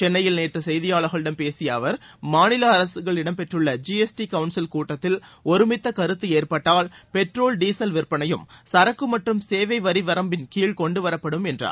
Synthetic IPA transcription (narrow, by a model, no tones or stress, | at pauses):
t͡ʃɛnːɐjɪlneːʈrɯsɛjðɪjaːɭɐɣɐɭɪɽɐmpeːsɪjɐːʋɐɾ | maːnɪlɐɐɾɐsɯɣɐɭɪɽɐmpɛʈrɯɭːɐd͡ʒiːɛsʈikɐʋʊnsɪlkuːʈːɐt̪ːɪlɔɾɯmɪt̪ːɐkɐɾɯt̪ːɯeːrpɐʈːaːlpɛʈroːlɖiːsɐlʋɪɾpɐnɐjɯmsɐɾɐkːɯmɐʈrɯmseːʋɐɪʋɐɾiʋɐɾɐmbɪnkiːɭkɔɳɖɯʋɐɾɐpːɐɽɯmɛndra̰ː